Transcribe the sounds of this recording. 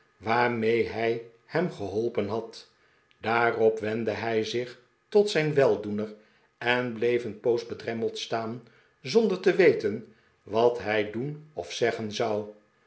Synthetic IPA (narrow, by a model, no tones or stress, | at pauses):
ʋaːɹmejɦɛj | hɛmχəɦɔlˠpənɦɑt | d̥aːrɔpʋɛndəɦɛjzɪχ | tɔtsɛjnʋɛlˠdunər | ɛnblejfənpowsbədrɛməlˠtstaːn | zɔndəɹtəʋejtən | ʋɑtɦɛjdunɔ̰fsɛχənzɑw